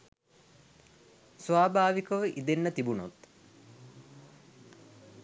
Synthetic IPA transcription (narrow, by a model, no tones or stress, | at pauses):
sʋaːbʱaːʋikɐʋəʔid̪enːət̪ibuno̰t̪